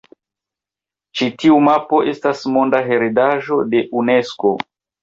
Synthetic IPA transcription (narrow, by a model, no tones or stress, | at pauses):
t͡ʃitiumapo̞ʔe̞stasmo̞ndaɦe̞ɾedaʒo̞de̞ʔune̞sko̞